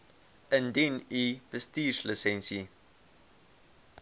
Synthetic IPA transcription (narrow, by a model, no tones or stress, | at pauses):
əndinibəstiːsləsɛnsi